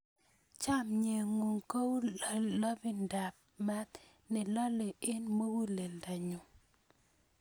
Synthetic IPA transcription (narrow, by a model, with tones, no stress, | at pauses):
t͡ʃa˦mɲe˨ŋu˨ŋko˦wlɔ˦bi˦nda˨p̚ma˦t̪ | nɪ˨lɔ˦le˨ɪ˦nmə˦wu˦le˨lda˨ɲu˨